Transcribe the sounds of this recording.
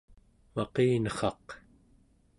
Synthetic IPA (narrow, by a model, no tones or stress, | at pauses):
mɑqeːnʌχɑq